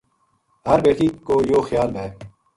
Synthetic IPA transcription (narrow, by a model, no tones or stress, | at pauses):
ɦɐɾbeːʈiːkoːjoːxjaːlb̪ɛː